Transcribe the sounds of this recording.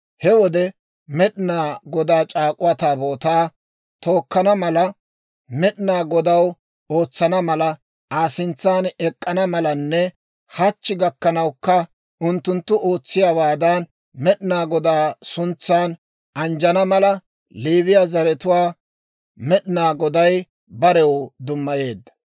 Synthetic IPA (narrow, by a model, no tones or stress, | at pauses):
hɛwɔd̪ɛ | mɛɗɪnaːɡɔd̪aːt͡ʃʼaːkʼʊwɐt̪aːboːt̪aː | t̪o̞ːkːɐnɐmɐlɐ | mɛɗɪnaːɡɔd̪ɐw | o̞ːt͡sːɐnɐmɐlɐ | aːsɪnt͡sːaːnɛkʼːɐnɐmɐlɐnːɛ | hɐt͡ʃːɪɡɐkːɐnɐwkːɐ | ʊnt̪ːʊnt̪ːʊʔo̞ːt͡sːɪjawaːd̪ɐn | mɛɗɪnaːɡɔd̪aːsʊnt͡sːaːn | ʔɐnd͡ʒɐnɐmɐlɐ | liːβɪjazɐɾɛt̪ʊwaː | mɛɗɪnaːɡɔd̪ɐj | bɐɾɛwd̪ʊmːɐje̞ːd̪ːɐ̥